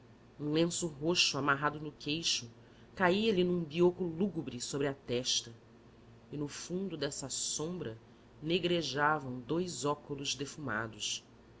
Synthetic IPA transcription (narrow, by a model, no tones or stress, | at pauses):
ũlẽsʊɦoʃuamaɦad̪ʊnʊkejʃʊ | kaiɐlinũbiokuluɡubɾisobɾɪɐt̪ɛʃt̪ɐ | ɪnʊfũnd̪ʊd̪ɛsɐsõmbɾɐ | neɡɾeʒavɐ̃w̃d̪ojzɔkʊlʊzd̪efuma̰d̪ʊʃ